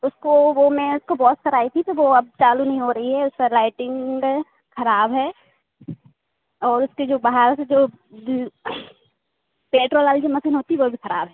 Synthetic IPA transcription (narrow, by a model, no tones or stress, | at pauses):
ʊskoʋomẽʊskobɔːt̪sɐɾaːit̪ʰit̪oʋoɐb̚t͡ʃaːlunɐɦĩɦoɾɐɦiɦɛʊspelaːɪʈɪ̃ŋɡ | xɐɾaːbɦɛː | ɔːɾʊsked͡ʒoːbaɦaɾsed͡ʒoː | peːʈɾoːlaːld͡ʒomɐsinɦoːt̪iɛʋobʱixɐɾaːbʱɦɛː